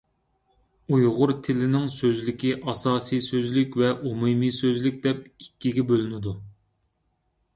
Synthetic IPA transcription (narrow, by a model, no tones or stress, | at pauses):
ujʁʊɾt̪ʰɪlɪnɪŋsøzlɪkʲiʔɑsɑːsijsøzlɪkʲvɛʔumumisøzlyk̚ʲd̪ɛp̚ikʲːiɡʲɛbølɪnɪd̪u